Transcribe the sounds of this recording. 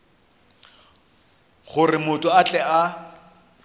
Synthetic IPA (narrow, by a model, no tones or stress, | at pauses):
χʊrɪmʊtʼʊat͡ɬʼɛa